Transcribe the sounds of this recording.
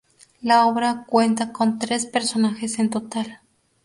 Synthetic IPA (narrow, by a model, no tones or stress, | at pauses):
laoβɾakwent̪akont̪ɾespeɾsonaxesent̪ot̪al